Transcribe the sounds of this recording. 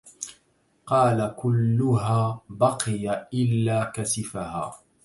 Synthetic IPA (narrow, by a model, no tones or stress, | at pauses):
qɑːlakʊlːʊɦaːbɑqɨjaʔɪlːaːkasɪfahaː